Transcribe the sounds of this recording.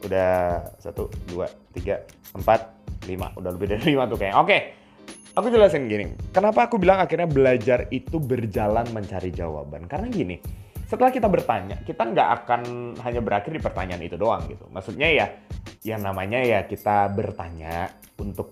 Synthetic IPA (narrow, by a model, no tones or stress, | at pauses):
ʔudahsa̰t̪uduat̪iɡa | əmpat̪̚lima̰udahləbɪhdaɾilimat̪ukajaŋoke | akud͡ʒəlasɪnɡinḭkənapaːkubilaŋakɪrɲabəlad͡ʒarit̪ubərd͡ʒalanməɲt͡ʃaɾid͡ʒawa̰ba̰nkaɾənaɡinḭ | sət̪əlahkit̪abərt̪aɲa̰kit̪aŋɡaʔa̰kanɦaɲabəɾakɪrdipərt̪aɲaːnḭt̪udoaŋɡit̪umʔaksut̪̚ɲajajaŋnamaɲajakit̪abərt̪aɲa | unt̪ʊk̚